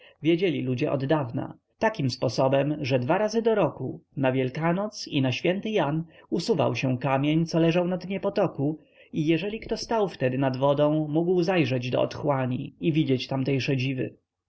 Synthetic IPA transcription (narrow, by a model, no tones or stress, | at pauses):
vʲjed͡ʑɛlʲilud͡ʑɛʔɔ̰d̪d̪avna̰ | t̪akʲimspɔsɔbɛmʐɛd̪vaɾazɘd̪ɔɾɔkunavʲjɛlkanɔt̪sinaɕfʲjɛnt̪ɘjanusuva̰wɕɛw̃kamʲjeɲt̪sɔlɛʐawnad̪ɲɛpɔt̪ɔku | ijɛʐɛlʲikt̪ɔst̪awft̪ɛd̪ɘnad̪vɔd̪ɔ̃w̃muɡwzajʐɛd͡ʑd̪ɔ̰ɔ̰t̪xwaɲḭivʲid͡ʑɛt͡ɕt̪amt̪ɛjʂɛd͡ʑivɘ̰